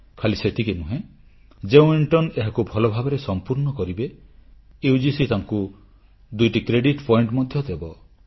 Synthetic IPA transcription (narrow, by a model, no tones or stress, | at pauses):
kʰaliset̪ʰikenũɦẽ | d͡ʒeũiɳʈɔneɦakubʱɔlɔbʱabɔɾesɔmpuɾɳɔkɔɾibe | ewd͡ʒisit̪aŋku | d̪ujʈikɾeɖiʈpʰɔjɳʈmɔd̪ʱjɔd̪ebɔ